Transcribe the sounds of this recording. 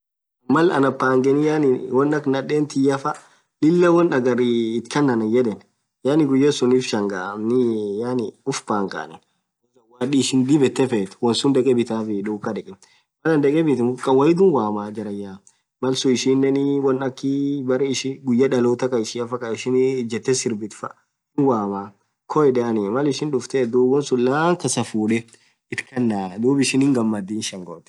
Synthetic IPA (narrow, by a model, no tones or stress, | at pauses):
mɐlɐ̰nɐpːaːŋɡɛnɪjanɪwɔnɐknɐᶑeːnt̪ɪjɐfɐ | lɪlːɐwɔnɐɡɐɾɪːt̪kɐnːɐnɐjɛd̪ɛn | jaːnɪɡʊjːɐsʊniːfʃɐŋɡaɐmnɪjaːnɪʊfbaːŋkʼa̰ːnɛn | ɛsɐwaːᶑiʃɪnd̪ɪbɛt̪ːɛfɛt̪wɔnsʊnd̪ɛkʼɛbɪt̪aːfɪᶑuːkːɐdɛkʼɪm | mɐlɐnd̪ɐkʼɛbɪt̪ɪkʼːɐwɐjɪd̪ʊnwaːmaːd͡ʒɐɾɐjːaː | mɐlsʊɪʃɪnːɛnɪwɐnɐkːɪbɐɾɪɪʃɪɡʊjːɐᶑɐloːt̪ɐkɐɪʃɪɐfɐkʼɐɪʃɪnd͡ʒɛt̪ːɛsɪɾbɪt̪fɐ | ɪnwaːmaː | kʰɔɛᶑɛɐnɪmɐlɪʃɪnᶑʊft̪ɛd̪uːbɔnsʊlːaːŋkɐsɐfuːᶑɛ | ɪt̪kɐnːaːd̪uːbɪʃɪnɪŋɡɐmːɐd̪ːiːnʃɐŋɡo̰t̪ɛ̥